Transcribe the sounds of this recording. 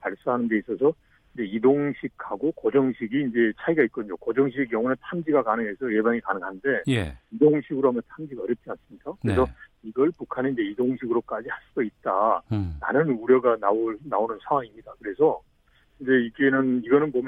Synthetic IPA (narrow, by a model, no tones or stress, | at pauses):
paɭs͈aɦanɯnde̞is͈ʌsʰʌ | ind͡ʑe̞idoŋɕʰikʰaɡokʌd͡ʑʌŋɕʰiɡiːnd͡ʑe̞t͡ɕʰaiɡait̚k͈oɲokʌd͡ʑʌŋɕʰiɡekjʌŋunentʰamd͡ʑiɡakanɯŋesʰʌje̞baŋikanɯŋanɯnde̞jidoŋɕʰiɡɯɾoɦamjʌntʰamd͡ʑiɡaʌɾjʌp̚t͡ɕ͈ians͈ɯmɲik͈akɯɾes̬ʰʌiɡʌɭpukʰaneind͡ʑe̞idoŋɕʰiɡɯɾok͈ad͡ʑihaɭs͈udait̚t͈ana̰nɯnuɾjʌɡanaoɭnaonɯnsʰawaŋimɲidakɯɾe̞sʰʌ | ind͡ʑe̞iɡe̞nɯniɡʌnɯnbom